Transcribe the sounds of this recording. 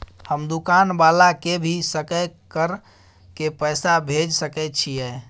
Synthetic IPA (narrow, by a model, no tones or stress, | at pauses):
həmd̪ukanbalakebʱisəkəkəɾ | kepəjsabʱed͡ʒsəkɛt͡ʃʰijɛ